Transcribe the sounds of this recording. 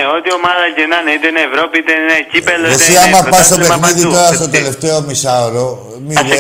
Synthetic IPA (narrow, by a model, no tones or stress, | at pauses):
eot̪io̞mɐðɐcenɐneit̪enːvɾopiit̪enecipeloesiɐmɐpɐst̪o̞pe̞xniðit̪o̞ɾɐst̪o̞t̪e̞le̞ft̪eo̞misɐoɾo | mið